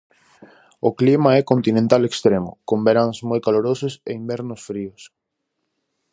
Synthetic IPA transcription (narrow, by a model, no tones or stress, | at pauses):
oklimaɛkont̪inẽnt̪alekst̪ɾemʊ̰kombeɾaŋzmojkaloɾososeimbɛɾnosfɾios